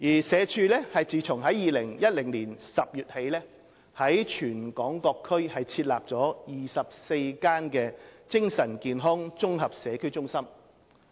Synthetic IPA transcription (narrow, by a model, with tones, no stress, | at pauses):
jiː˨˩sɛː˨˧t͡ʃʰyː˧lɛ˥hɐ˨jt͡siː˨˩t͡sʰʊ˨˩ŋɦɐ˨˥jjiː˨lɪ˨˩ŋjɐ˥t̚lɪ˨˩ŋliː˨˩nsɐ˨p̚jyː˨t̚he˨˥jlɛː˥ | hɐ˨˥jt͡ʃʰyː˨˩nkɔː˨˥ŋkɔː˧kʰːɵ˥ɥhɐ˨jt͡sʰiː˧t̚la̰ː˨p̚t͡sɔː˨˥jiː˨sɐ˨p̚se˧jkaː˥nkɛː˧t͡sɪ˥ŋsɐ˨˩nkiː˨nɦɔː˥ŋt͡sʊ˥ŋɦɐ˨p̚sɛː˨˧kʰɵ˥ɥt͡sʊ˥ŋsɐ˥m